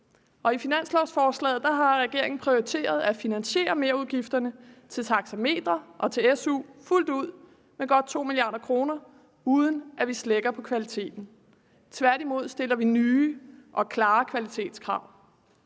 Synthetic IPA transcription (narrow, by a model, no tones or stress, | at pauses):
ʔɒ̽ifinæn̰slɒʊsfɒːslɛ̰ːð̞̩ˠd̥ɑ̈ɦɑ̈ʁɛɡ̥e̝ɐ̰e̝ŋn̩pʰʁio̝it͡sʰe̝̰ːɐð̞ˠæfinænɕe̝̰ːɐme̝ːɐuðˠɡ̥ifd̥ɐnət͡sʰe̝lt͡sʰɑ̈ɡ̥sæme̝̰ːd̥ʁɐʔɒ̽t͡sʰe̝esuːful̰d̥uð̞̰ˠ | meɡ̥ɒ̽d̥̚t͡sʰo̝̰ːmiliɑ̈ːd̥ɐkʰʁo̝ːnɐ | uːð̞ˠən̩ʔæʋisleɡ̥ɐpʰɒ̽kʰʋælit͡sʰe̝̰ːd̥n̩ | t͡sʰʋæɐ̰d̥imo̝ð̞̰ˠsd̥e̝lɐʋinyːʔɒ̽kʰlɑ̈ːkʰʋælit͡sʰe̝̰ːd̥skʰʁɑ̈ʊ̰